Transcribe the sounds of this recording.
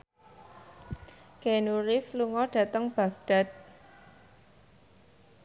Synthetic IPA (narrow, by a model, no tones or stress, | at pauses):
kenuɾɪfluŋɔɖ̥a̤t̪əŋb̥a̤ɡ̚ɖ̥a̤t̪̚